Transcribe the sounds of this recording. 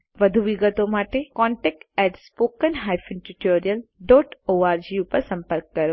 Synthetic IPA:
ʋɐd̪ʱuʋɪɡət̪õmaːʈekɔːɳʈek̚ɛːʈspoːkənɦaːjfɪnʈuʈoːɾijəlɖɔːʈoːaːɾd͡ʒiupɐɾsɐ̃mpəɾkːɐɾoː

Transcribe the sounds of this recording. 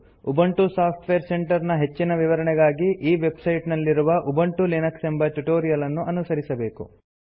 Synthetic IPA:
ubɐɳʈusaːpʰʈʋeɐɾse̞ɳʈɐɾnɐɦe̞t͡ʃːinɐʋiʋɐɾɐɳɛɡaːɡiʔiːʋe̞bsɐjʈnɐlːiɾuʋɐʔubɐɳʈulinɐksembɐʈuʈoːɾijɐlɐnːuʔɐnusɐɾisɐbe̞ːkṵ

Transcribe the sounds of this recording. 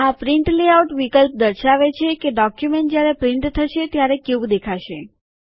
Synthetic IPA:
apɾɪɳʈleauʈʋikəlp̚d̪əɾʃaʋet͡ʃʰekeɖɔkjumeɳʈ̚d͡ʒjaɾepɾɪ̃ɳʈt̪ʰːəʃet̪jaɾekud̪ekʰaʃe

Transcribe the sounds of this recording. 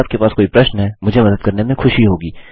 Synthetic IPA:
aːb̚kepaːskoːipɾɐʃnɦɛːmʊd͡ʒʱemɐd̪əd̪̚kɐɾnemẽxʊʃiɦoːɡiː

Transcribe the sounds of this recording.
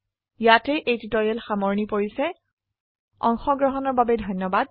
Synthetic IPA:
jatɛʔejtitɔjɛlxamɔɹnipoɹisɛ | ɔ̰ŋxɔɡɹɔɦɔnɔɹbabɛdʱɔjnjɔbad̚

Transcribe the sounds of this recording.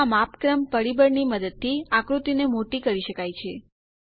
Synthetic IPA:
mapkɾəmpəɾibəɾniməd̪əd̪̚t̪ʰiakɾut̪inemoʈikəɾiʃəkajt͡ʃʰe

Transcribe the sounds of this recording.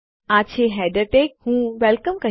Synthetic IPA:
aːt͡ɕʰeɦɛːɖəʈeːk̚hũːʋɛlkəmkɐ

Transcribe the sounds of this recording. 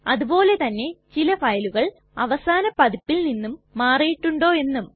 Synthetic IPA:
ɐðubo̞ːle̞t̪ɐnːe̞t͡ɕilɐfɐjɐluɣɐɭ | ɐʋɐsaːnɐpɐðipːilninːumːaːrijiʈːuɳɖo̞ːe̞nːum

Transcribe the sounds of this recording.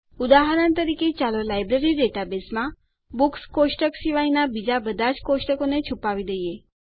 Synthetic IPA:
ud̪aɦaɾant̪əɾiket͡ʃalolajbɾeɾiɖeʈabesmã | bukskoʃʈəksiʋainabid͡ʒabəd̪ʱad͡ʒkoʃʈəkonet͡ʃʰupaʋid̪eje

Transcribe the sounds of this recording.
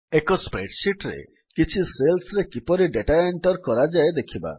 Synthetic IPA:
ekɔspɾeʈsiʈɾḛ | kit͡ʃʰiselsɾekipɔɾiɖeʈaeɳʈɔɾkɔɾad͡ʒaed̪ekʰiba̰

